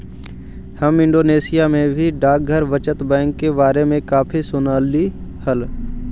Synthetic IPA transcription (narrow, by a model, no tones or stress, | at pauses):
həmɪ̃ɳɖoːneːsijamẽbʱiɖaːk̚ɡʱəɾʋət͡ʃət̪bɛ̃ːŋkːebaːɾemẽkaːpʰisʊnaːlihəl